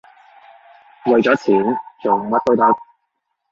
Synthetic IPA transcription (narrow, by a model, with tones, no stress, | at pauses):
lɵ˨ɥt͡sɔː˨˥t͡sʰiː˨˥nt͡so˨˩˨mɐ˥t̚kɵ˥ɥt̪ɐ˥k̚